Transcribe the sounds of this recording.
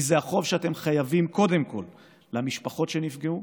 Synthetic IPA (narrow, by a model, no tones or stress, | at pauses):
izeaχo̞vʃeate̞mχajavimko̞de̞mko̞̰lː | amiʃpaχo̞tʃenifɡeu